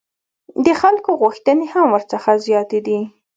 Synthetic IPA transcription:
d̪əxalkoɣuxt̪ənehamwəɾt͡səxazjɑt̪ed̪i

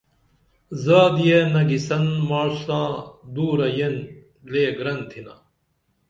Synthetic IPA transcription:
zaːd̪ijenɐɡisɐnmaːɻsãːd̪uːɾɐjen | leːɡɾɐnt̪ʰinɐ̰

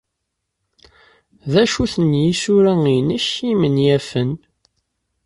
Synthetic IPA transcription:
ðæʃuθənjisuɾæinəçimənjæfən

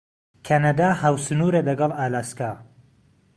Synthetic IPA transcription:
kʰanad̪ahawsɨnuːɾelɐɡɐlˠʔaːlaːska

